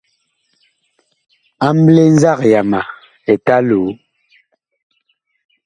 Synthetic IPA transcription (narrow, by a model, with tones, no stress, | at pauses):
a˦m˦ble˦n̩˦za˦˨k̚ja˨ma˨ | ɛ˨ta˦lu˨˦